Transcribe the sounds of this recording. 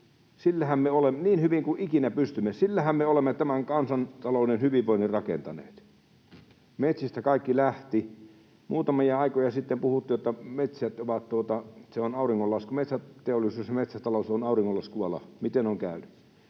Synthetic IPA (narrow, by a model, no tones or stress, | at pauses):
silːæhæmmeolemniːnhyʋiŋkuʔikinæpyst̪ymːesilːæhæmmeolemːet̪æmæŋkɑnsɑnt̪ɑloˑnenhyʋiʋʋoˑinirɑkḛnt̪ɑnḛːt̪ | met̪sist̪ækɑˑikːilæht̪i | muːt̪ɑmijɑɑikojɑsit̪ːempuhut̪ːiːjjot̪ːɑmet̪sæt̪oʋɑt̪t̪uot̪ɑseonɑˑuriŋːolːɑskumet̪sæt̪eolːˑisuːsjmet̪sæt̪ɑlosonɑˑuriŋːolːɑskuɑlɑ̰mit̪enoŋkæˑyny